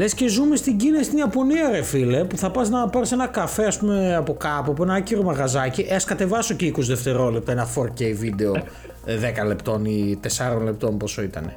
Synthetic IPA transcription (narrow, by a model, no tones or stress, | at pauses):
le̞sce̞zumest̪iɟinesit̪injɐpo̞niɐɾefilepuθɐpɐznɐpɐɾse̞nɐkɐfe̞ɐspumeɐpo̞kɐpup̬uenɐɐciɾomɐɣɐzɐciʔeɐskɐt̪e̞vɐso̞ceikosðe̞ft̪e̞ɾo̞lep̚t̪oenɐfoɾceivid̪e̞o | ðekɐle̞pt̪o̞nit̪e̞sɐɾo̞nle̞p̚t̪o̞mpo̞so̞it̪ɐ̰ne̞̰